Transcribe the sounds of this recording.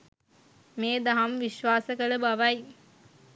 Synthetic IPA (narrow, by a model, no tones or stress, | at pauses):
meːd̪aɦamʋiʃʋaːsəkələbaʋɐj